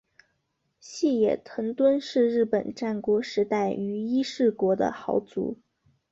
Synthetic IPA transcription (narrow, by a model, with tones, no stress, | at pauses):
ɕi˥˩jɛ̰˨˩t̪ʰɤ˧˥ŋt̪wə˥nʂɻ̩˥˧ɻɻ̩˥˩pə˨˩nʈ͡ʂa˥˩nkwɔ˧˥ʂɻ̩˧˥t̪a˥˩ɪy˧˥i˥ʂɻ̩˥˩kwɔ˧˥d̪ə̰˧xɑ˧˥ʊt͡sṵ˧˥